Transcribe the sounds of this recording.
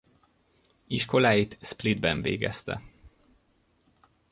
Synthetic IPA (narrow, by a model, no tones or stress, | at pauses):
iʃko̞laːjit̪splid̪bɛɱvḛːɡɛ̰st̪ɛ̰